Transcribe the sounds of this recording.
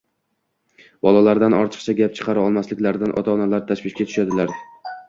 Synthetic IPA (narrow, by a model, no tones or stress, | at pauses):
bɒlˠalaɾd̪anɒɾt̪ʰɨ̥q̚t͡ʃʰaɡʲap̚t͡ʃʰɨ̥qʰɑɾaɒlˠmaslɪkʲlaɾd̪anʔɒ̰t̪ʰaɒnalaɾt̪ʰaʃvɪʃkʲat̪ʰʊ̥ʃad̪ɪlaɾ